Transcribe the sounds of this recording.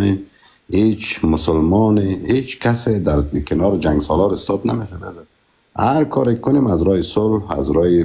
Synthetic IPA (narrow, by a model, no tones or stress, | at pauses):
em | het͡ʃmʊsʊlmɔnehet͡ʃkʰased̪aɾkʰɪnɔɾɪd͡ʒaŋɡsɔlɔɾɪst̪ɔd̪nameʃadad | a̰ɾkʰɔɾakkʊnemazɾɔjɪsʊlha̰zɾɔjɪ